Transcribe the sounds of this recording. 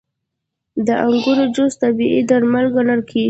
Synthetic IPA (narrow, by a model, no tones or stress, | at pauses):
d̪əʔaŋɡuɾod͡ʒost̪abiʔid̪aɾmalɡanəlkʰe